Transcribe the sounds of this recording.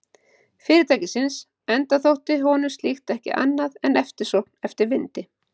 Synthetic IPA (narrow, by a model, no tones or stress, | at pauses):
fɪːɾɪɾt̪ʰaːjcɪsɪns | ɛnt̪aθowht̪ɪɦɔːnʏmst̪lixt̪ɛhcɪ̰ʔa̰nːaðɛnɛft̪ɪɾ̥sɔnɛft̪ɪɾvɪnt̪ɪ